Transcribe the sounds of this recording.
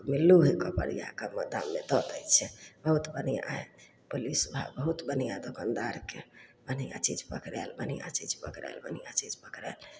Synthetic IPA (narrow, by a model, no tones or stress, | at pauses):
milːuɦekɔpə̰ɽḭja̰kaməd̪a̰mːed̪ɔt̪əjt͡ʃʰɛbəɦut̪bənija̰ɦe | polisubʱa̰bəɦut̪bənijad̪okand̪aɾkebənija̰t͡ʃḭd͡ʒpəkɾɛ̰lbənija̰t͡ʃid͡ʒpəkɾɛ̰lbənijat͡ʃid͡ʒpəkɾɛ̰l